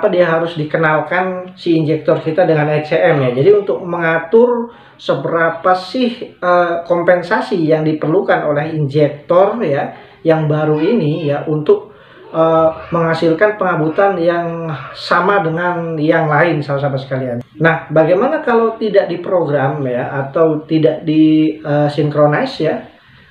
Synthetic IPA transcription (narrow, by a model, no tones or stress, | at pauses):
apadiaɦaɾʊsdikənalkansiːnd͡ʒɛk̚t̪ɔrkit̪adəŋanat͡ʃeʔɛmjad͡ʒadiunt̪ʊk̚məŋat̪ʊr | səbəɾapasɪhəkɔmpɛnsasijaŋdipərlukanolɛɦind͡ʒɛk̚t̪ɔrja | jaŋbaɾuinijaʔunt̪ʊk̚ | əːməŋasɪlkanpəŋabut̪anjaŋsamadəŋanjaŋlaɪnsalas̬amasə̥kaliannahbaɡajmanakalawt̪idaʔ̚dipɾoɡɾamjaʔːt̪awt̪idaʔdiəsiŋkɾonasja